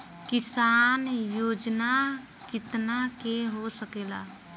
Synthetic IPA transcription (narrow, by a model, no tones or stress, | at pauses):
kɪsaːnjoːd͡ʒna | kɪt̪nakeɦosəkeːla̰ː